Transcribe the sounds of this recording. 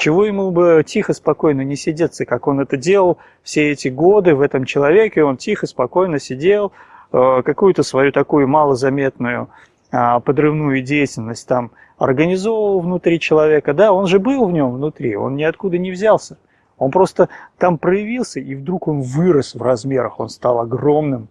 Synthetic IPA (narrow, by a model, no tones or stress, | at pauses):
t͡ɕɪvojɪmubɨtʲixəspɐko̞jnənʲɪsʲɪdʲet̪sːəkako̞nɛt̪ədʲe̞lˠəlˠ | fsʲeɛtʲɪɡo̞d̪ɨvɛt̪əmt͡ɕɪlˠɐvʲe̞kʲɪo̞ntʲixəspɐko̞jnəsʲɪdʲelˠəkɐkujʊt̪əsvɐjut̪ɐkujʊmalˠəzɐmʲe̞t̪nʊjʊ | əpəd̪rɨvnujʊdʲejɪtʲɪlʲnəsʲt̚ʲt̪am | ɐ̰rɡənʲɪzo̞vvəlˠvnʊt̪ɾʲit͡ɕɪlˠɐvʲe̞kəd̪ao̞nʐɨbɨlˠvnʲo̞mvnʊt̪ɾʲḭo̞̰nnʲɪɐt̪kud̪ənʲɪvzʲalˠsʲə | o̞npɾo̞st̪ət̪ampɾəjɪvʲilˠsʲəʔivd̪ɾuko̞nvɨɾəsvrɐzmʲeɾəxo̞̰nst̪alˠɐɡro̞mnɨm